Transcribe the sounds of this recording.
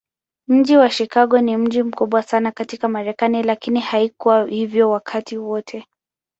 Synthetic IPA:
m̩ʄiwaʃikaɠɔnim̩ʄim̩kuɓwasanakatikamaɾɛkanilakinihaikuwahivjɔwakʰatiwɔtʰɛ

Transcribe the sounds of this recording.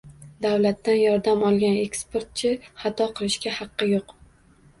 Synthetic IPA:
d̪awlat̪ːanjɒɾd̪amɒlˠɡʲane̞kspeɾt̪̚t͡ʃʰɪχɑt̪ʰɒqʰɨlˠɪʃkʲahɑqːɨjoq

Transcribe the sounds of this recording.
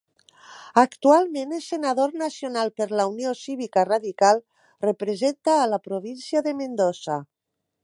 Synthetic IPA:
akt̪ualˠmenelsenaðoɾnasionalˠpeɾlauniosiβ̞ikaraðikalˠ | repɾezent̪aːlapɾoβ̞insiaðemend̪osa

